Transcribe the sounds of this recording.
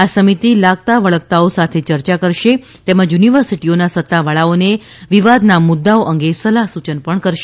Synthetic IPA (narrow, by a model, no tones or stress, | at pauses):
asəmit̪ilaɡ̚t̪aʋəɭəkt̪aosat̪ʰet͡ʃəɾt͡ʃakəɾʃe | t̪eməd͡ʒjuniʋəɾsiʈionasət̪ːaʋəɭaone | ʋiʋad̪namʊd̪ːaoʔəŋɡesəlaɦsut͡ʃənpəɳkəɾʃe